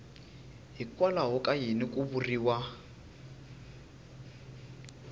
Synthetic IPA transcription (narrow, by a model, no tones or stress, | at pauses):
ɦikwalaɦɔkajinikuβuriːwa